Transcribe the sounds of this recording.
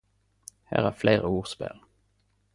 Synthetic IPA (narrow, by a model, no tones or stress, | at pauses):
hæ̰ːʁæːfleɪʁəuːʁspɛ̰l